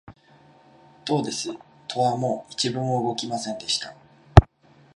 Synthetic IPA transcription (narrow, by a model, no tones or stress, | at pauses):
d̪̥o̞ːd̪e̞sɨ | t̪ʰo̞βamo̞it͡ɕibɯ̟̃ɰ̃oɯɡo̞kʲimasẽ̞nd̪e̞ɕi̥t̪a